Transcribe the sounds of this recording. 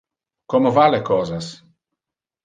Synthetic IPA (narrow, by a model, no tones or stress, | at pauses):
komovalekɔːzas